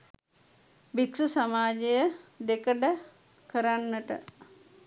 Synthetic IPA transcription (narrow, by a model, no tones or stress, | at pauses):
biksusamaːd͡ʒejəd̪ekəɖə | kəɾanːəʈə̰